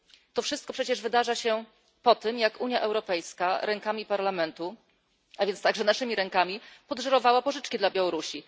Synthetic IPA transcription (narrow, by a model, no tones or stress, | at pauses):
t̪ɔfʂɘst̪̚kɔpʂɛt͡ɕɛʐvɘd̪aʐaɕɛ | pɔt̪ɘmjakuɲjaʔɛwɾɔpɛjskaɾɛŋkamʲipaɾlamɛnt̪u | avʲjɛnst̪aɡʐɛnaʂɘmʲiɾɛŋkamʲipɔd̪ʐaɾɔvawapɔʐɘt͡ʂkʲid̪labʲjawɔɾuɕi